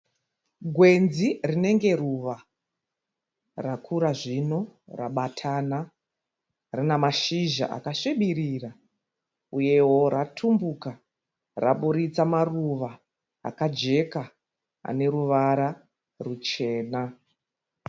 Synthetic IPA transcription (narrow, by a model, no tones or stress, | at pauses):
ɡʱwe̞nzirine̞ŋɡe̞ruʋa | rakʰuɾaʐino̞raɓatʰana | rinamaʃiʒa̰ʔa̰kaʂeɓiɾira | uje̞ɦo̞ratʰumbuka | ra̰ɓuɾit͡samaruʋa | a̰kad͡ʒe̞ka | a̰ne̞ɾuʋaɾa | rut͡ʃe̞ːna